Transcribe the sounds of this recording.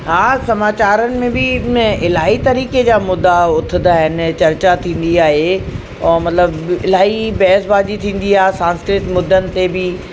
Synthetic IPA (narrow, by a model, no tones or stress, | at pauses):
ɦaːsɐmaːt͡ɕaːɾənɪ̆mẽbɪɪl̤aːɦit̪ɐɾiːked͡ʑaːmʊd̪ːaʊt̪ʰɪd̪aːɦɪnɪ̆t͡ɕɐɾt͡ɕat̪ʰĩːn̆d̪iaːɦe | ɔːɾmɐt̪ləbɪl̤aːɦibɛːsbaːd͡ʑit̪ʰĩːn̆d̪iaːɦesãːnskɾɪt̪mʊd̪ʱːənɪ̆t̪ebɪ